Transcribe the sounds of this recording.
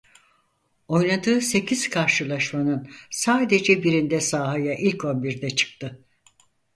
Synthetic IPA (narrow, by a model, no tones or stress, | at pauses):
o̞jnad̪ɯːse̞cʰiz̥kʰaɾʃɯlˠaʃmanɯnsaːd̪e̞d͡ʒɛbiɾind̪ɛsaːɦajaʔilʲcʰo̞nbiɾd̪ɛt͡ʃʰɯ̥k̚t̪ʰɯ